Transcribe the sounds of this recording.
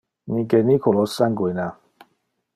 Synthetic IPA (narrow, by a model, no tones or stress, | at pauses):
nĩkenikʰolɔsaŋɡujna